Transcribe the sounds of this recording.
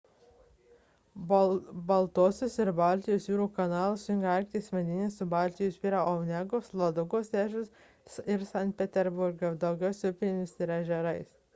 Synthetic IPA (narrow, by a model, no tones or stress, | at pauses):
bɐlˠt̪oɔsʲʊsɪɾbɑˑlʲt̪ʲɪjoːsjʲuːɾuːkɐnɑːlˠɐssʊjɪŋɡɐɐlʲkʲt̪ʲismʲɛd̪ʲɪnʲɪsʊbɑˑlʲt̪ʲɪjospʲiːɾɐʔɔʊnʲɛɡoːslˠɐd̪ʊɡoːsʲæːʒʲʊs | ɪɾsɑnʲt̪̚ʲpʲɛt̪ʲɛɾbʊɾɡʲod̪ɐʊɡʲɛʊsʲɛʊpʲɪlʲɪmʲɪsɪɾɐʒʲɛɾɐɪs